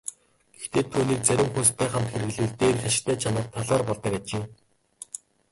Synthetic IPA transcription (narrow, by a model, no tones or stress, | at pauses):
ɡ̥ext̪eːt̪ʰuːniːk̚t͡sæɾʲɪ̆mxunst̪ʰæːχam̥t̪xeɾɘ̆ɮɘ̆ɮt̪eːrxʲaʃɪ̥̆kt̪ʰæːt͡ɕʰanə̆rt̪ʰːaɮaːrpɔɮt̪ə̆kaːt͡ɕeː